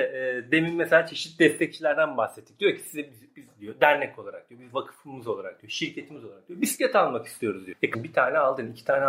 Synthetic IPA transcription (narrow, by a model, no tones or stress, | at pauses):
ɛd̪e̞mimmeselʲaːt͡ʃʰeʃit̪̚d̪ɛst̪ʰɛc̚t͡ʃʰilʲæɾd̪ænbahsɛt̪ʰːi̥k̚d̪ijocʰi̥sizɛbizizd̪ijod̪æɾnɛko̞lˠaɾakd̪ijo̞bizvakʰɯ̥fɯmɯzolˠaɾak̚d̪ijoʃiɾcʰe̞t̪ʰimizoaɾakd̪ijobiscʲet̪ʰalˠmaki̥st̪ʰijo̞ɾuzd̪ijojakʰɯnbit̪ʰaːnɛalˠd̪ɯːnicʰi̥t̪ʰaːnɛ